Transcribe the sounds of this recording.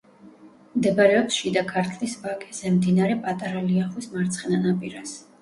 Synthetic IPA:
md̪ɛbaɾɛɔpsʃid̪akʰaɾt̪ʰlisbakʼɛ̥zɛmd̪inaɾɛpʼat̪ʼaɾaliaχwismaɾt̪sʰχɛnanapʼiɾas

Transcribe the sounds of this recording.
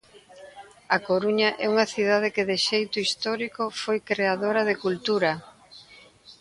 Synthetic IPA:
akoɾuɲɐʔɛuŋɐθiðað̞ɪkɪðɪʃejt̪ʊist̪ɔɾikofojkɾeaðoɾɐðɪkult̪uɾɐ

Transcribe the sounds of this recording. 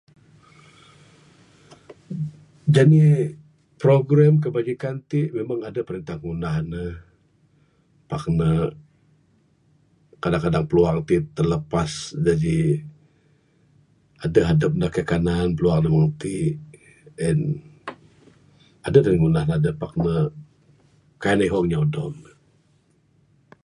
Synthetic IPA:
d͡ʒani | pɾoɡɾɛmk̬əbad͡ʒikant̪iʔmemaŋadəpəɾənt̪ahŋunahnə | pak̚nə | kadaŋkadaŋpəluaŋt̪iʔt̪ərləpasd͡ʒadi | adəɦadəp̚nəkakananpəluaŋnemaŋt̪iʔ | ɛn | adədaliŋunahnəadəpːak̚nə | kajnaɦɔŋɲaodɔmnə

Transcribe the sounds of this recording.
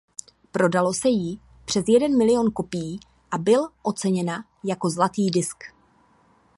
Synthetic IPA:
pɾo̞dalo̞sɛjɪ | pr̝̥ɛzjɛdɛnmɪlɪjo̞nko̞pɪjiː | ʔabɪlʔo̞t͡sɛɲɛna | jako̞zlat̪iːdɪsk

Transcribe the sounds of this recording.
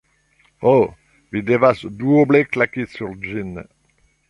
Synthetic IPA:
o | vid̪evasd̪uobleklakesyʁd͡ʒin

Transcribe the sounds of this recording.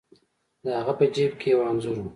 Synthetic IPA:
d̪əhaɣapəd͡ʒeb̚kʰewɑnzuɾu

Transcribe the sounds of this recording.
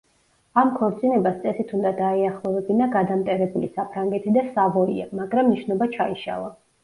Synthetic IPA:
amkʰɔɾt̪sʼinɛbast̪sʼɛsit̪ʰund̪ad̪aɛaχlˠɔvɛbinaɡad̪amt̪ʼɛɾɛbulisapʰɾaŋɡɛt̪ʰid̪asavɔḭa̰maɡɾamniʃnɔbat͡ʃʰaiʃa̰lˠa

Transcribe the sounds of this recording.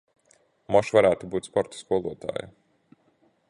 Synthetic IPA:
mɔʃvaɾæːt̪ubuːt̪spɔɾt̪ḁskuɔlˠuɔt̪a̰ːja̰

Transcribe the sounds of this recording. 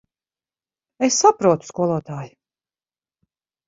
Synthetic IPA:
esːapɾuɔt̪u̥skuɔlˠuɔt̪aːji

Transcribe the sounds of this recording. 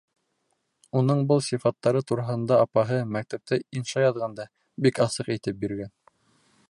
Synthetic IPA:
unɤɴbɤlˠsʲifɑt̪ːɑɾɤt̪uɾɑɦɤ̆nd̪ɑɑpɑɦɤmæk̚t̪æp̚t̪ɘinʃɑjɑðʁɑnd̪ɑ | bikɑsɤqit̪ɘp̚biɾɡæn

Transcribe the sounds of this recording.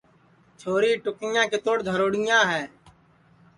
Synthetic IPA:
t͡ʃʰoːɾiːʈʊkɪjãːkɪt̪oːɽd̪ʱəɾoːɽɪjãːɦɛː

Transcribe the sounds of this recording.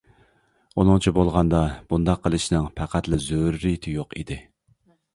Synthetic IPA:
unɨŋt͡ʃʰibolˠʁɑnd̪ɑb̥und̪ɑqʰːəlˠɨʃnɨŋpʰæqʰæt̪lɪzøɾːit̪ʰɪjoqḭd̪ɪ

